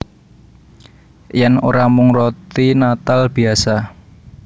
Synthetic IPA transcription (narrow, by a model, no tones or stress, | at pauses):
jɛno̰ɾamuŋɾɔt̪inat̪alb̥i̤asa